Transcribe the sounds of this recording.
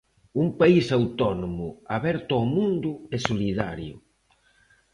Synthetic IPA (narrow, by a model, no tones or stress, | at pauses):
umpaisawt̪ɔnomʊaβɛɾt̪ɔːmũnd̪ʊɛsoliðaɾjʊ̰